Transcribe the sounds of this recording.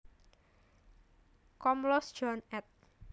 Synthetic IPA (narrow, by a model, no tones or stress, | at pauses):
kɔmlɔsd͡ʒ̥ɔnɛt̪̚